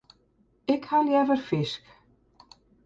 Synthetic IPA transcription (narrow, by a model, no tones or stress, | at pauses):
ɪkhaljɛvəɾ̥fɪsk